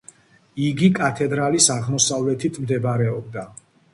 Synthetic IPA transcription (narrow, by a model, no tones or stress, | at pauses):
iɡikʼat̪ʰɛd̪ɾalisaʁmɔsavlɛt̪ʰit̪ʰmd̪ɛbɾɛɔb̚d̪a